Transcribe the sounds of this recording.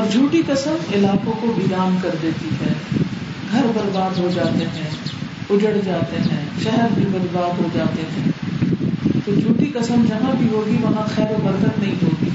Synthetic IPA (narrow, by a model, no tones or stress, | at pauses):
ɔːɾd͡ʒʱuːʈikɐsəmɪlaːkõkobiːd̪aːmkɐɾd̪eːt̪iɦɛː | ɡʱɐɾbɐɾbaːd̪ɦod͡ʒaːt̪eɦɛ̃ːʊd͡ʒəɽd͡ʒaːt̪eɦɛ̃ːʃɛɦɛɾmẽbɐd̪baːd̪ɦod͡ʒaːt̪eɦɛ̃ː | t̪od͡ʒʱuːʈikɐsəmd͡ʒɐɦãbʱiɦoːɡiʋɐɦãxɛːɾobɐɾɡ̪ət̪nɐɦĩɦoːt̪iː